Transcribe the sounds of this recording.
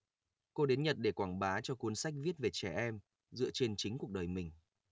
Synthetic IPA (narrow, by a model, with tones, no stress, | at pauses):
ko˧ɗe˨˦nɲə˨˩t̚ɗe˧˩kwaː˧˩ŋɓaː˨˦t͡ɕɔ˧ku˨˦ənsa˦˥jk̚vi˦˥ət̚ve˨˩t͡ɕɛ˧˩ʔɛ˧m | zɨ̰˧˨ət͡ɕe˧nt͡ɕï˨˦ŋ̟ku˨˩ək̚ɗəː˨˩jmï˨˩ŋ̟